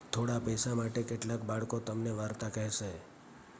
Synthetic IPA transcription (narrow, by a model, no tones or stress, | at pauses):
t̪ʰoɽapəjsamaʈekeʈlakbaɭkot̪əmneʋaɾt̪akəɦɛʃe